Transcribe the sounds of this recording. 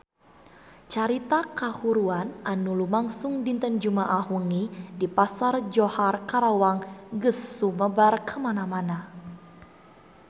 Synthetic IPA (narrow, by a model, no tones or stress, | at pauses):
t͡ʃaɾit̪akahuɾuanʔanulumaŋsuŋdint̪ənd͡ʒumaʔahuŋidipasard͡ʒoharkaɾawaŋɡəsuməbarkəmanamana